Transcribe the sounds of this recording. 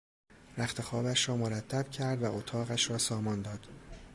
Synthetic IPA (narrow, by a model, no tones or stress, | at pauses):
ɾæxt̪ʰe̞xɒːbæʃɾɒːmoɾæt̪ʰːæb̥cʰæɾd̪væʔot̪ʰɒːɣæʃɾɒːsɒːmɒnd̪ɒːd̪̥